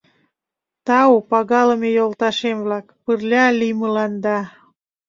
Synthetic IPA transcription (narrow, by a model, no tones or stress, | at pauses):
t̪ɑupɑɣɑlə̆mejolt̪ɑʃemβlɑkpərlʲɑliməlɑnd̪ɑ